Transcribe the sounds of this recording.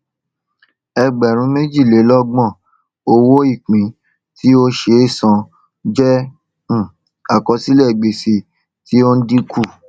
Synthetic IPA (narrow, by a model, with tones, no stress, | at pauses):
ɛ˧ɡ͡bɛ˨ɾ̃ũ˨˦me˦d͡ʒi˦˨le˨˦lɔ˦ɡ͡bɔ̃˦˨ | o˧wo˦i˦˨k͡pĩ˨˦ | ti˦o˦ʃe˧i˦˨sã˨˧ | d͡ʒɛ̃˦˨ | a˦˨kɔ˧si˦lɛ˦˨ɡ͡be˧˨si˧ | ti˦o˦n̩˦di˦kʰu˦˨